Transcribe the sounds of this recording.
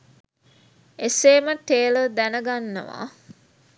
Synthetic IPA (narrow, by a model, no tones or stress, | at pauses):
eseːməʈeːləd̪ænəɡanːə̰ʋa̰ː